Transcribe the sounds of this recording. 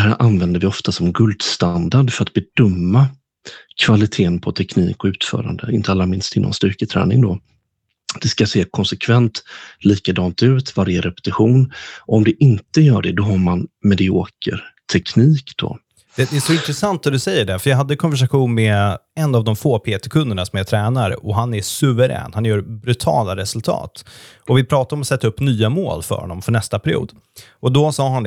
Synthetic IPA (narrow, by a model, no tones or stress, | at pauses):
d̪ɛɦæːɾʔanvɛnd̪əɾvɪɔft̪asɔmɛnɡɵld̪st̪and̪aɖfœɾat̪̚b̥ɛd̪ɵmːa | kʰvalɪt̪ʰeːənpʰɔt̪ʰɛknḭːkɔʉ̟ːt̪fœ̰ːɾa̰nd̪əɪnt̪əalːamɪnst̪ʰɪnʔɔ̰nst̪ʏɾkət̪ʰɾɛ̰ːnɪ̰ŋd̪ɔ | d̪̥ɛskaseːkʰɔnsɛkʰvɛnt̪liːkad̪ɑːnt̪ʉ̟ːt̪vaɾjəɾɛpɛ̥t̪ɪɧuːnɔɔmd̪ɛʔɪnt̪əjœːɖɛd̪ɔɦaɾmanmɛd̪ɪoːkə̰ɾʈ̪ʰɛkniːkd̪ɔ̰ | d̪̥ɛd̪ɛæʂɔɪnt̪ɾɛsant̪̚æd̪ɵsɛjːəɖɛfœjaɦad̪ːəkʰɔnvæʂaɧuːnmɛɛnːavd̪ɔmfoːpʰeːt̪ɛkʰɵnd̪əɳasɔmjat̪ʰɾɛːnaɾə̰ʔɔɦanæsɵvəɾɛ̰ːnhanjœːɾbɾʉt̪ʰɑ̰ːlaɾɛsɵlt̪ʰɑ̰ːt̪ɔvɪpʰɾɑːt̪aɾɔmɔsɛt̪ːaɵpːnyːamo̰ːlfœ̰ɾhɔ̰nːɔmfœɳɛst̪apʰæɾɪṵːd̪ | ɔd̪ɔsɑːɦand̪